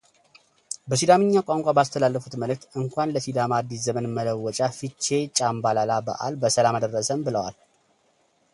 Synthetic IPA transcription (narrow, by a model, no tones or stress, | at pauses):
bəsid̪amɨɲːakʷʼaŋkʷʼabast̪ʰəlalːəfut̪məlɨk̚t̪ɨŋkʷanləsid̪amad̪ːiszəmənmələwːɔt͡ʃʼafit͡ʃːe̞t͡ʃʼambalalabə̰ʔa̰lbəsəlamad̪ərːəsəmbɨləwa̰l